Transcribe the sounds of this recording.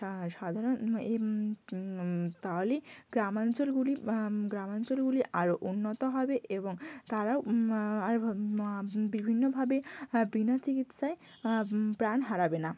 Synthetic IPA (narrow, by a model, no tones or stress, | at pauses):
ʃad̪ʱaɾone | t̪aɦoliɡɾamant͡ɕolɡuliɡɾamant͡ɕolɡuliʔaɾoʔunːot̪oɦɔbeʔeboŋt̪aɾaoaɾ | bibʱinːobʱabebinat͡ɕikit̪ʃae | pɾanɦaɾabena